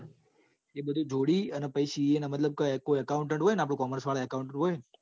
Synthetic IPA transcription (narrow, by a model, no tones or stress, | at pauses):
ebəd̪ʱũd͡ʒʱoɽiənepəjʃienamət̪ləb̚kəkojəkaʊɳʈeɳʈɦojnapɽũkɔməɾsʋaɭaəkaʊɳʈeɳʈɦoj